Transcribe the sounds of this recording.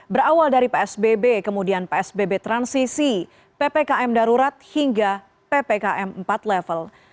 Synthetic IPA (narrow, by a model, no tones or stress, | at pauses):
bəɾawaldaɾipeɛsbebekəmudianpeɛsbebet̪ɾansisi | pepekaʔɛmdaɾuɾat̪̚hiŋɡa | pepekaʔɛmm̩pat̪lɛfəl